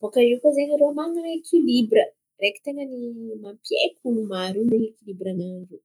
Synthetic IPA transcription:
b̥okaikozeɲiɾomaŋekʰilibɾə | reki̥t̪eŋənimampiḛkʲunumaɾuniekilibɾanaɳɖ͡ʐu

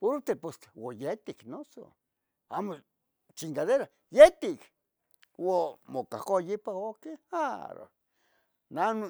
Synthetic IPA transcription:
puɾt̪eposwojet̪iknoso̰ | amo | t͡ʃiŋkaðeɾa | jet̪ik | womoka̰hkojipaokeaɾo̰ | nan

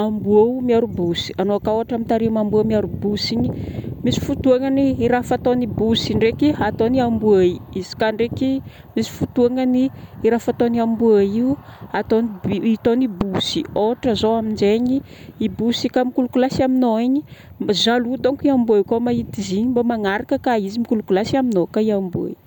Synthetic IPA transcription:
ambuamiaɾubusi̥anoakaoaʈ͡ʂamit̪aɾimambuamiaɾubusiɲimisi̥fut̪uaŋaniːɾafat̪onibusiɳɖ͡ʐekiat̪oniambuaiizi̥kaɳɖ͡ʐeki | misi̥fut̪uaŋəniːɾafat̪oniambuaiuat̪onibit̪onibusioʈ͡ʂəzoamind͡ʒeɲi | ibusikamikulukulasiaminoiɲi | zalud̪oŋkiambuaikomait̪iziɲimbamaŋaɾakəkaizimikulukulasiaminokaiambua̰i

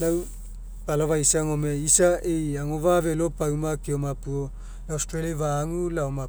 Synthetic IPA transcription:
law | palovaisaŋomeisaʔejaŋovavelopawmakiomapuo | laostɾeliavaŋulaoma

